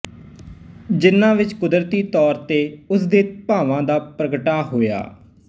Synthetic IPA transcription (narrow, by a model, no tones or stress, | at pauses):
d͡ʒɪnːãːʋɪt͡ʃkʊd̪ɾt̪iːt̪ɔːɾt̪eːʊsd̪eːpaːʋãːd̪aːpɾəɡʈaːɦoːja̰ː